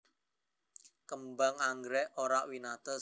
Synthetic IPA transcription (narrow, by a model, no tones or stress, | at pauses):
kəmbaŋaŋɡɾɛʔoɾawinat̪ɔ